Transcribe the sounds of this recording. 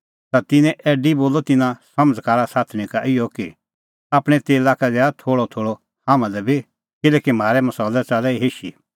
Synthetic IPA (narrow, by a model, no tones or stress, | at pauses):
t̪at̪ɪnɛ̃ʔɛːɖiboːlɔt̪ɪnãsɐməd͡zkaːɾasaːt̪ʰɽ̃ikaʔɪjɔki | aːpɽ̃ɛ̃t̪eːlaːkadɛat̪ʰoːɽɔt̪ʰoːɽɔ | hãːmãdɛbʱi | kɪlɛːkim̤aːɾɛmɐsɔːlɛt͡saːlɛiɦeːʃḭ